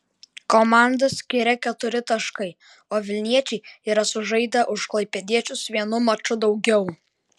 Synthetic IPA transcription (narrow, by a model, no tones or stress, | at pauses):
komɑˑnd̪ɐsʲkʲɪɾʲɛkʲɛt̪ʊɾʲɪt̪ɐʃkɐɪ | oːʋʲɪlʲnʲiɛt͡ʃʲɛɪiːɾɐsʊʒɐɪd̪ɐʔʊʃklˠɐɪpʲɛd̪ʲiɛt͡ʃʲʊsʋʲiɛnʊmɐt͡ʃʊd̪ɒʊɡʲɛʊ